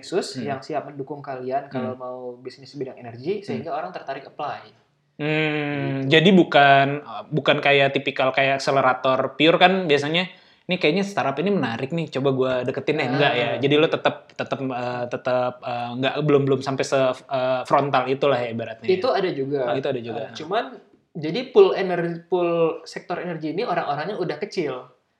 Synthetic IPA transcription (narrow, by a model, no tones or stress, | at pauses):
ksʊsjaŋsiap̚məndukʊŋkaliankalamaubisnɪsbidaŋenərɡisəɦiŋɡaoɾaŋt̪ərt̪aɾɪk̚əplaj | m̩ | d͡ʒadibukanəbukankajaʔt̪ipikalkajaʔakseleɾat̪ɔrpiʊrkanbiasaɲa | nɪkajaʔɲast̪aɾapinimənaɾɪk̚nɪht͡ʃobaɡuadəkət̪ɪnlɛhŋɡaʔjad͡ʒadilot̪ət̪əp̚t̪ət̪əp̚ət̪ət̪əp̚əːŋɡaʔbəlʊmbəlʊmsampajsəəfɾɔnt̪alit̪ulaɦibaɾat̪̚ɲait̪uadad͡ʒuɡait̪uadad͡ʒuɡat͡ʃuman | d͡ʒadipʊlenərpʊlsɛk̚t̪ɔɾenərɡiːnioɾaŋoɾaŋɲaudahkət͡ʃɪl